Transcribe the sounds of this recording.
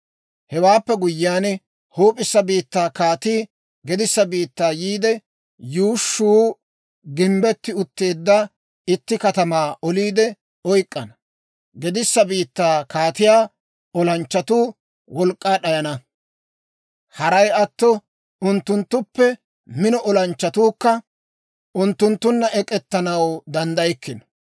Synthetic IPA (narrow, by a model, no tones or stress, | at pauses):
hɛwaːpːɛɡʊjːaːn | hoːpʼːɪsːɐbiːt̪ːaːkaːt̪iː | ɡɛd̪ɪsːɐbiːt̪ːaːjiːd̪ɛ | juːʃːuː | ɡɪmbɛt̪ːɪʊt̪ːe̞ːd̪ːɐ | ɪt̪ːɪkɐt̪ɐmaːʔɔliːd̪ɛ | ɔjkʼːɐnɐ | ɡɛd̪ɪsːɐbiːt̪ːaːkaːt̪ɪjaː | ɔlɐnt͡ʃːɐt̪uː | wɔlkʼːaːɗɐjɐnɐ | hɐɾɐjɐt̪ːɔ | ʊnt̪ːʊnt̪ːʊpːɛ | mɪnɔʔɔlɐnt͡ʃːɐt̪uːkːɐ | ʊnt̪ːʊnt̪ːʊnːɐʔɛkʼɛt̪ːɐnɐwd̪ɐnd̪ɐjɛkːɪnɔ̥